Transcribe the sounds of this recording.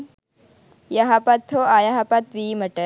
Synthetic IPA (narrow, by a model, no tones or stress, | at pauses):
jɐɦɐpɐt̪ʰːoajɐɦɐpɐt̪ʋiːmɐʈə